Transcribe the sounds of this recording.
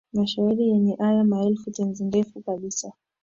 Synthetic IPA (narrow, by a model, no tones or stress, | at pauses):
maʃauɾijɛɲɛʔajamaɛlfutɛnzinɡɛfukaɓisa